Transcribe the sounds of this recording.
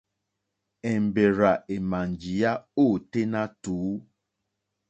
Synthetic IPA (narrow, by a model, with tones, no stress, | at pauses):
ɛ˨m˨be˨ɾa˨ʔe˨ma˨ɲd͡ʒi˨ja˦o˦˨te˦nã˦tuː˨˦